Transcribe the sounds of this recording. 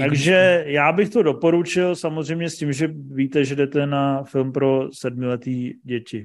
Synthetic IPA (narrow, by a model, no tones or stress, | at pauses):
t̪aɡʒɛjaːbɪxt̪o̞do̞po̞ɾut͡ʃɪlsamo̞zrɛjmɲɛscimʒɛviːt̪ɛʒɛdɛt̪ɛnafɪlmpɾo̞sɛdmɪlɛt̪iːɟɛcɪ